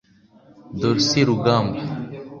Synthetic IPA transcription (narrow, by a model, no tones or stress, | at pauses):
d̪oɾsiɾuɡamb